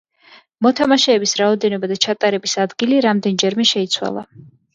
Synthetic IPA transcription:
mɔt̪ʰamaʃɛːbisɾaɔd̪ɛnɔbad̪at͡ʃʰat̪ʼaɾɛbisad̪ɡiliɾamd̪ɛnd͡ʒɛɾmɛʃɛit̪sʰwa̰lˠa̰

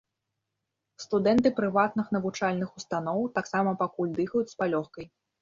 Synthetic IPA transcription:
st̪ud̪ɛnt̪ɨpɾɨvat̪̚nɨxnɐvut͡ʂalʲnɨxust̪anɔwt̪aksamɐpakulʲd̪ɨxɐjut͡sʲspalʲɔxkɐj

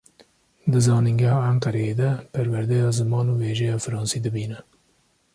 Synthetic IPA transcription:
d̪ɨzɑːniŋɡɛhɑːaŋkɛɾɛjeːd̪ɛpʰæɾwæɾd̪ɛjɑːzɨmɑːnuːweːʒɛjɑːfɨɾɑːnsiːd̪ɨbiːnɛ

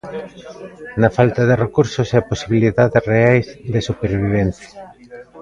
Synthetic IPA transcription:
nɐfalt̪aðerekuɾsoseposiβiliðaðesreajzðesupeɾβiβ̞enθja

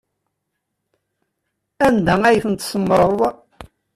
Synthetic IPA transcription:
ænd̪ææjəfənt̪səmːɾˤəɾˤðˤɑ

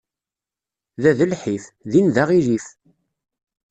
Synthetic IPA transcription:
ðæðəlħifðinðaʁiɾif

